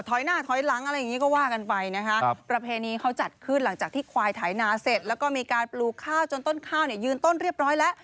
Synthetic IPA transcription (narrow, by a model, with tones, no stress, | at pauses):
t̪ʰɔ˨˦jnaː˥˩t̪ʰɔ˨˦˥jla˩˦ŋʔa˧ɾa˧jːa˨˩ŋːi˦˥kɔː˥˩waː˥˩ka˧npa˧jna˦˥kʰa˦˥ʔpɾa˧pʰeː˧niː˧kʰa˦˥wt͡ɕa˨˩t̪̚kʰɯ˥˩nla˩˦ŋt͡ɕaː˨˩k̚t̪ʰiː˥˩kʰwaː˧jt̪ʰaː˩˦jnaː˧se˨˩t̪̚lɛː˦˥wkɔː˥˩miː˧kaː˧npluː˧˩kʰːaː˥˩wt͡ɕo˧nt̪o˥˩nkʰaː˥˩wni˥˩ɐjɯː˧nt̪o˥˩nɾi˥˩əp̚ɾɔː˦˥jlɛ˦˥ʔ